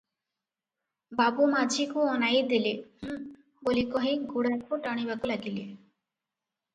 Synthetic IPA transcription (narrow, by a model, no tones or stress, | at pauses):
babumad͡ʒʱikuɔnajd̪ileh | bolikɔɦiɡuɽakoʈaɽ̃ibakulaɡile